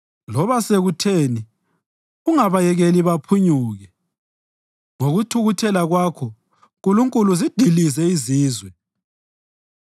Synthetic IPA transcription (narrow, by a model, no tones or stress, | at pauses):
lɔβaseɣutʰeːni | uŋaβajɛɣeliβapʰuɲuːɣɛ | ŋoɣutʰuɣutʰɛlaɣwakʰɔ | ɣuluŋkʼuluzid̥ʱilizɛiziːzwɛ